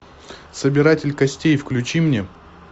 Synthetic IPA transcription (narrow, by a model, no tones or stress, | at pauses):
səbʲɪɾatʲɪlʲkɐsʲtʲejfklʲʉt͡ɕimnʲe